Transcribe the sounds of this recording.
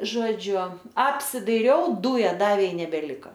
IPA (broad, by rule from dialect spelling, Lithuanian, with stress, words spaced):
ˈʒoːd͡ʒʲʊ ɐpʲsʲɪdɐɪˈrʲɛʊ ˈduːjɛ ˈdɑːʋʲeː ɪ nʲɛbʲɛˈlʲɪkɐ